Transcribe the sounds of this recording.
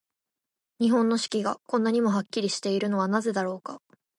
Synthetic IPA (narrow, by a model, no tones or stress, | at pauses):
ɲ̟iɦõ̞nːo̞ɕi̥kʲiɡakõ̞nːaɲ̟imo̞ɦakʲːiɾʲiɕi̥t̪e̞iɾɯ̟no̞βanaze̞d̪aɾo̞ːka